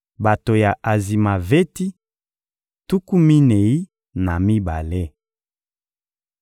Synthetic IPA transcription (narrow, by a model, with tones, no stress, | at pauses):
ba˨to˨ja˨ʔa˨zi˨ma˨ve˦ti˦ | tu˦ku˦mi˦ne˨i˦ | na˨mi˦ba̰˨le˦